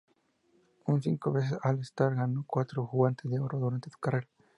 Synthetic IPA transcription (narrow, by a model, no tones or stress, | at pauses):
unsiŋkoβes̬esalest̪aɾɣanokwat̪ɾoxuɣant̪ezðeoɾoðuɾant̪et̪u̥kareɾa